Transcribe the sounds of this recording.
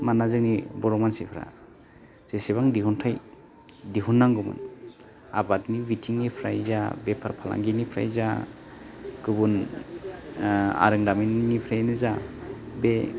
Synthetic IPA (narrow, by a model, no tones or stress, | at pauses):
manazɯknibɔɾɔmansipʰɾa̰ | z̥eseβaŋdiɦuntʰaj | diɦunːaŋɡɯmɯ̰n | a̰batnibitʰiŋnipʰɾa̰jzabepʰaɾpʰala̰ŋɡinipʰɾa̰jza̰ | ɡ̥ɯbun | a̰ɾɯŋdaminnipʰɾajnɯzabe